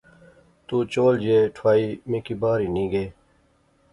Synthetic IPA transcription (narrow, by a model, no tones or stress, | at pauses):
t̪uːt͡ɕoːld͡ʑeːʈʰwaːiːmĩkibaːɾiːnĩːɡeː